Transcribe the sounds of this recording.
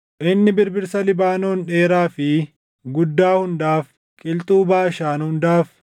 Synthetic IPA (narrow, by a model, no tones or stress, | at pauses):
ʔɪnːɪbɪɾbɪɾsɐlɪbaːnoːnᶑe̞ːɾaːfɪ | ɡʊd̪ːaːhʊnd̪aːf | kʼɪlt̪ʼuːbaːɪʃaːnhʊnd̪aːf